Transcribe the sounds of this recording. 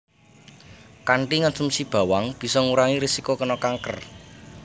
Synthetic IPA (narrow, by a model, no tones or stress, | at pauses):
kaɳʈiŋɔnsumsib̥ä̤waŋb̥i̤sɔŋuɾaŋiɾisikokənɔkaŋkə̰r